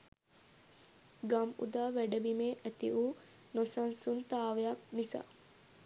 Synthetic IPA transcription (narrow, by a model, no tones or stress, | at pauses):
ɡamṵd̪aːʋæɖɐbimeːʔæt̪iʔuː | nosansunt̪aːʋejɐk̚nisa̰ː